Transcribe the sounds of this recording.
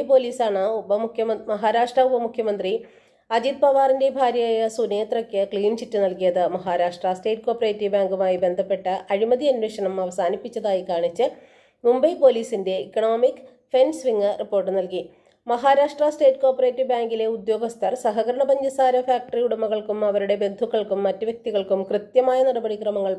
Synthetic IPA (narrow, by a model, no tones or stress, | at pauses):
po̞ːliːsaːɳɨubɐukʰjɐmɐɦaːɾaːʂʈrɐubɐmukʰjɐmɐnd̪ri | ɐd͡ʑid̪̚pɐʋaːrinde̞bʱaːɾjɐjaːjɐsuneːt̪rɐkːɨkɭiːnɕitːɨnɐlkijɐðɨmɐɦaːɾaːʂʈrɐsʈe̞ːʈːko̞ːpːɐreːtːibaːŋɡumaːjibe̞nd̪ʱɐpːe̞ʈːɐʔɐɻimɐðiɐnweːʂɐɳɐmɐʋɐsaːnipːit͡ɕːɐðaːjikaːɳit͡ɕːɨ | mumbɐjpo̞ːliːsinde̞ikːɐɳoːmikː | fensʋiŋːɨripːo̞ːrʈ̬ːɨnɐlki | mɐɦaːɾaːʂʈrɐsʈe̞ːʈːko̞ːpɐre̞ːtːiʋbaːŋɡile̞ud̪jo̞ːɡɐst̪ʰɐrsɐɦɐɣɐɾɐɳɐbɐɲd͡ʑɐsaːɾɐfaːk̚ʈɐriuɽumːɐɣɐɭkumɐʋɐɾuɽe̞be̞nd̪ʱukːɐɭkumːɐtːɨʋjɐk̚t̪iɣɐɭkumkrɨt̪jɐmaːjɐniɽɐbɐɽikrɐmɐŋːɐɭ